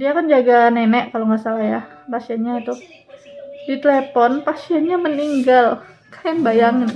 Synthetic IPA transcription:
diakand͡ʒaɡanenɛʔkaloŋasalahjapasiɛnɲait̪u | dit̪elepɔnpasiɛnɲaməniŋɡal | kḁjɛnbajaŋɪn

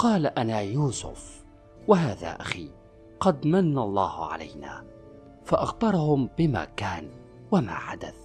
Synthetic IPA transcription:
qɑːlaʔanaːjuːsʊ̰f | waɦaːða̰ːʔaxiː | qɑd̪manːalˤːɑːhʊʕa̰la̰jna̰ː | faʔaxbɑɾˤɑhʊmbɪma̰ːkaːn | wama̰ːħad̪a̰θ

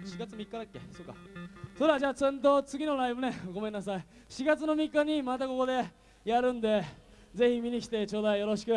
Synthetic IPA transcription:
ɕiɡat͡sɨnmʲikːad̪akːe̞̰soːkːa̰so̞ɾead͡ʑaːt͡sẽnt̪̬o̞t͡sɨɡʲino̞ɾaibɯ̟ne̞ɡo̞mẽ̞nːasai | ɕiɡat͡sɨno̞mʲikːaɲ̟imat̪ako̞kod̪e̞ | jaɾɯ̟̃nd̪e̞ | d͡ze̞çimʲiɲ̟ikʲi̥t̪e̞t͡ɕo̞ːd̪aijo̞ɾo̞ɕi̥kɯ̟

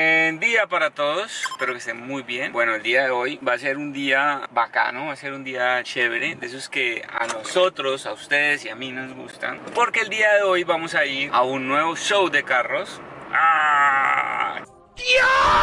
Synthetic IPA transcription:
end̪iapaɾat̪o̞ðo̞spe̞ɾokest̪emmujbje̞nbwe̞no̞eld̪iaðe̞o̞jbase̞ɾund̪iabaka̰noβase̞ɾund̪iat͡ʃe̞βɾe̞d̪es̬oeske̞a̰noso̞t̪ɾo̞saust̪e̞ðesiaminozɡṵst̪a̰npo̞ɾke̞eːld̪iaðe̞o̞jbamo̞saiɾa̰unːwe̞βo̞ʃo̞wd̪e̞karo̞sa | djo

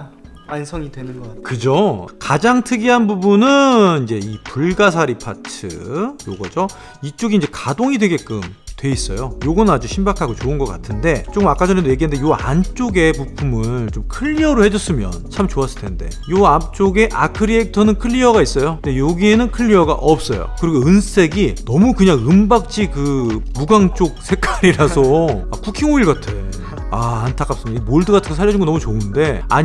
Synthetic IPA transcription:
ansʰʌŋidwenɯnɡʌakɯd͡ʑokad͡ʑaŋtʰɯɡiɦanbubunɯind͡ʑe̞ipuɭɡas̬ʰaɾipʰatʰɯ̰jo̰ɡʌd͡ʑo | it͡ɕ͈oɡiɲd͡ʑe̞kadoŋidwe̞ɡe̞k͈ɯmtwe̞is͈ʌ̰jojoɡʌnɯnad͡ʑuɕʰimbakʰaɡot͡ɕoɯnɡʌk͈atʰɯnde̞t͡ɕ͈okmak͈ad͡ʑʌnedoje̞ɡiɦandejoant͡ɕ͈oɡe̞pupʰumɯɭt͡ɕomkʰɯʎːiʌɾohe̞d͡ʑʌs͈ɯmjʌ̰nt͡ɕʰamt͡ɕoas͈ɯɭtʰe̞nde̞̰joap̚t͡ɕ͈oɡe̞ʔakʰɯɾiek̚tʰʌnɯnkʰɯʎːiʌɡais͈ʌjoɯndejoɡie̞nɯnkʰɯʎːiʌɡa̰ʔʌp̚s͈ʌ̰jo̰kɯɾiɡoɯnsʰe̞ɡinʌmukɯɲaŋɯmbak̚t͡ɕ͈ʰikɯmuɡaŋt͡ɕ͈ok̚sʰe̞k͈ʰaɾiɾasʰʌakukʰiŋoiɭɡatʰe | aːntʰak͈ʰaps͈ɯmiaiɡmoɭdɯɡatʰɯnɡosʰaʎːjʌd͡ʑunɡonʌmut͡ɕoɯnde̞a̰ɲ

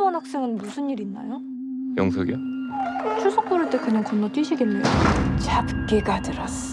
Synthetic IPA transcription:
wʌnɦak̚s͈e̞ŋɯnmusʰɯnːiɾinːa̰jo | jʌŋsʰoɡijo | t͡ɕʰuɭsʰok̚p͈oɾɯɭt͈e̞kɯɲaŋkʌnːot͈ɥiɕʰiɡenːet͡ɕapɯk͈eɡadɯɾas

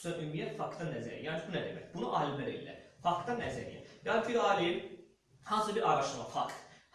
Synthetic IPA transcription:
ɑʔymijɛt̪fɑkd̪ɑnæzæɾḭjaːncʰbunæd̪emæ̰cbunuʔɑːlibæɾḭlːæ̰fɑkd̪ɑnæzæɾḭɛ̰jɑːnbʰiɾɑːlin | hɑnsɯbiɾʔɑɾɑʃɯmɑfɑkt̪h

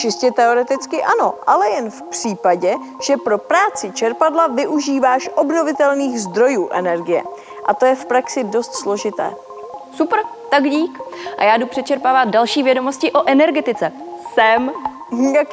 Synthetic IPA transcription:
t͡ʃɪscɛt̪ɛo̞ɾɛt̪ɪt͡skɪʔano̞̰ʔalɛjɛnfpr̥iːpaɟɛ | ʒ̥ɛpɾo̞pɾaːt͡sɪt͡ʃɛɾpadlavɪʔuʒiːvaːʃʔo̞bno̞vɪt̪ɛlniːɣzd̪ɾo̞juːʔɛnɛɾɡɪjɛ̰ | ʔat̪o̞jɛfpɾaksɪdo̞st̪slo̞ʒɪt̪ɛ̰ː | supɾ̩t̪aɡɟiːkʔa̰jaːdupr̥ɛt͡ʃɛɾpaːvat̪̚dalʃiːvjɛdo̞mo̞scɪʔo̞ʔɛnɛɾɡɛt̪ɪt͡sɛ | sɛm | jak

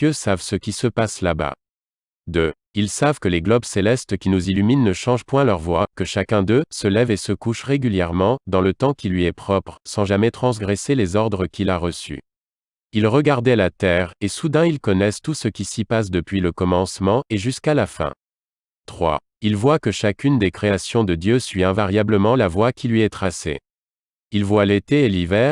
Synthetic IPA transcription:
øsavsəkʲisəpaslaba̰ | d̪ø | ilsavkəleɡlɔbselɛst̪kʲinuzilyminːəʃɑ̃ʒpwɛ̃lœʁvwakəʃakɛ̃d̪øsəlɛvesəkuʃʁeɡʲyljɛʁmɑ̃d̪ɑ̃lət̪ɑ̃kʲilɥiɛpχɔpχsɑ̃ʒamɛt̪χɑ̃s̬ɡʁɛselezɔʁd̪ʁəkʲilaʁəsy̰ | ilʁəɡaʁd̪ɛlat̪ɛːʁesud̪ɛ̃ilkɔnɛst̪usəkʲisipas̬d̪əpɥiləkɔmɑ̃smɑ̃eʒyskalafɛ̰̃ | t̪χwa̰ | ilvwakəʃakʲynd̪ekχeasjɔ̃d̪əd̪jøsɥiɛ̃vaʁjabləmɑ̃lavwakʲʰilɥiɛt̪χasḛ | ilvwalet̪eːlivɛːʁ

